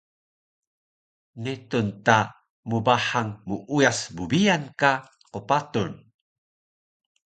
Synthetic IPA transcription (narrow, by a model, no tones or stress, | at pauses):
nitunta | mubaħaŋmuʔujasbubijanka | qupatun